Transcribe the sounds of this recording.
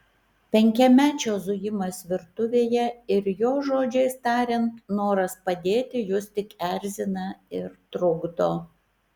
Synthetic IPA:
pʲɛŋʲkʲɛmʲæːt͡ʃʲoːzʊjɪmɐsʋʲɪɾt̪ʊʋʲeːjɛɪɾjoːʒoːd͡ʒʲɛɪst̪ɑːɾʲɛnt̪noːɾɐspɐd̪ʲeːt̪ʲɪjʊst̪ʲɪkæɾʲzʲɪnɐɪɾt̪ɾʊɡd̪oː

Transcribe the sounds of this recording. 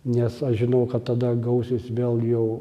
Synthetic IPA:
nʲɛsɐʃʒʲɪnɐʊkɐt̪t̪ɐd̪ɐɡɐʊsʲɪsʋʲeːlˠjɛʊ

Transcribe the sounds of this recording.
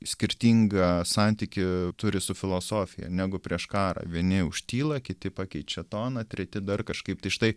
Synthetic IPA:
sʲkʲɪɾʲt̪ʲiːŋɡɐsɑnʲt̪ʲikʲɪt̪ʊɾʲɪsʊfʲɪlˠoːsoːfʲɪjɛ̰nʲæːɡʊpʲɾʲiɛʃkɑːɾɐ̰ʋʲiɛnʲɪʊʃʲt̪ʲiːlˠɐkʲɪt̪ʲɪpɑːkʲɛɪt͡ʃʲɛt̪oːnɐt̪ʲɾʲɛt̪ʲɪd̪ɐrkɐʃkɐɪpt̪ɐɪʃɪt̪ɐɪ

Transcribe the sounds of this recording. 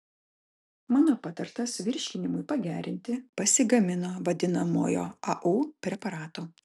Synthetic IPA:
mɑːnoːpɑt̪ɐɾt̪ɐsʋʲɪɾʲʃʲkʲɪnʲɪmʊɪpɐɡʲæːɾʲɪnʲt̪ʲɪpɐsʲɪɡɐmʲɪnoːʋɐd̪ʲɪnɐmo̰ːjo̰ːɐʔuːpʲɾʲɛpɐɾɑːt̪oː

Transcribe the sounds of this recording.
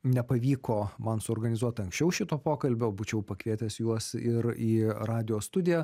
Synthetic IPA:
nʲɛpɐʋʲiːkoːmɐnsʊɔːɾɡɐnʲɪzuɔt̪ʲɐŋksʲt͡ʃʲɛʊʃʲɪt̪oːpoːkɐlʲbʲoːbuːt͡ʃʲɛʊpɐkʋʲiɛt̪ʲɛsjuɔsɪɾiːrɑːd̪ʲɪjoːst̪ʊd̪ʲɪjɛ

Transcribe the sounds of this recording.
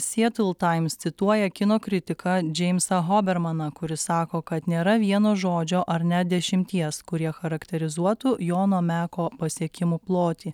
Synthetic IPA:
sʲiɛt̪ʊlˠt̪ɐɪmst̪sʲɪt̪uɔjɛkʲɪnoːkɾʲɪt̪ʲɪkɑd͡ʒʲɛɪmsɐɦoːbʲɛɾmɐnɐkʊɾʲɪsɑːkoːkɐt̪nʲeːɾɐʋʲiɛnoːʒoːd͡ʒʲoːʔɐɾnʲɛd̪ʲɛʃʲɪmʲt̪ʲiɛskʊɾʲiɛxɐɾɐkt̪ʲɛɾʲɪzuɔt̪ʊjoːnoːmʲæːkoːpɐsʲiɛkʲɪmuplˠoːt̪ʲiː

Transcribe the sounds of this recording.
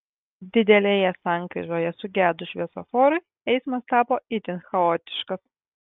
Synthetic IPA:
d̪ʲɪd̪ʲɛlʲeːjɛsɑˑŋkɾʲɪ̰ʒoːjɛsʊɡʲæːd̪ʊʃʲʋʲiɛso̰fɔːɾɐɪ | ɛɪsmɐst̪ɑːpoːɪt̪ʲɪnxɐoːt̪ʲɪ̥ʃkɐs

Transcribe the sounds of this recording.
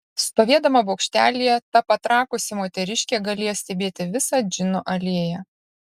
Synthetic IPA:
sp̪ɐʋʲiɛd̪ɐmɐboːkʃʲt̪ʲæ̰ːlʲijɛt̪ɐpɐt̪ɾɑːkʊsʲɪmoːt̪ʲɛɾʲɪʃʲkʲeːɡɐlʲiːjsʲt̪ʲɛbʲeːt̪ʲɪʋʲɪsɑd͡ʒʲɪnoʔɐlʲiːɛjɛ

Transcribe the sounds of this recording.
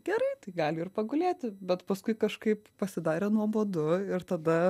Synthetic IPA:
ɡʲɛɾɐɪt̪ɐɪɡɑːlʲɪɪrpɐɡʊlʲeːt̪ʲɪbʲɛt̪pɐskʊɪkɐʃkɐɪppɐsʲɪd̪ɑːɾʲeːnuɔboːd̪ʊɪɾt̪ɐd̪ɐ

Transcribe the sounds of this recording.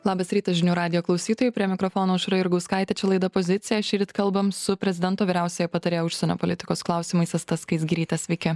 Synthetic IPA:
lˠɑːbɐsɾʲiːt̪ɐsʒʲɪnʲuːɾɑːd̪ʲɪjoːklˠɒʊsʲiːt̪oːjupʲɾʲiɛmʲɪkɾɔfoːnoːʊʃɾɐɪɾɡɐʊskɑˑɪt̪ʲɛt͡ʃʲɛlˠɐɪd̪ɐpozʲɪt̪sʲɪjɛʃʲiːɾʲt̪kɐlˠbɐmssʊpʲɾʲɛzʲɪd̪ʲɛnt̪oːʋʲiːɾʲæˑʊsʲeːjɛpɐt̪ɐɾʲeːjoʊʃʲsʲɛnʲo̰ːpolʲɪt̪ʲɪ̥koːsklˠɐˑʊsʲɪmɐɪsɐst̪ɐskɐɪs̬ɡʲiɾʲiːt̪ʲɛsʲʋʲɛɪkʲɪ

